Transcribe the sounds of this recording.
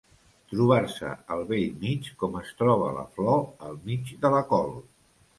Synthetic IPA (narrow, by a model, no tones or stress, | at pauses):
t̪ɾuβ̞aɾsə̰əlˠβeʎmit͡ʃkɔməst̪ɾɔβ̞ələ̰flɔəlˠmid͡ʒd̪ələkɔlˠ